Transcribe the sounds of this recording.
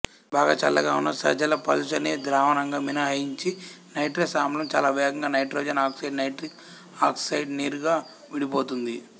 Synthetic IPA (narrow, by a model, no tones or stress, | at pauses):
baːɡa̰ːt͡ʃɐlːɐ̰ɡaːunːɐsɐ̰d͡ʒɐlɐpɐlʃɐnid̪ɾaːʋɐnɐŋɡaːminɐɦɐjiɲt͡ʃi | nɐjʈɾɐsaːmlɐmt͡ʃaːlaːʋɛːɡɐŋɡaːnɐjʈɾoːd͡ʒɐnaːksɐjɖnɐjʈɾik | aːksɐjɖniːɾuɡaː | ʋiɽipoːt̪und̪i